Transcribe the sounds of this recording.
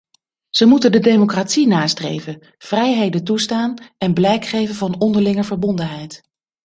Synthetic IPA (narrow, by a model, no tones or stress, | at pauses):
z̥əmutəndədejmokraːtsinaːstrḛjvə | v̥rɛjɦejdənt̬ustaːnɛnblɛjkχejvənvɑnɔndəɹlɪŋəɹvəɹbɔndənɦɛjt